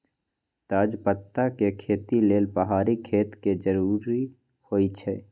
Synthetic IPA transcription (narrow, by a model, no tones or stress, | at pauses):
t̪aːd͡ʒpət̪ːakekʰeːt̪ileːlpəɦaːɾikʰeːt̪ked͡ʒəɾuːɾi | hoːit͡ʃʰɛː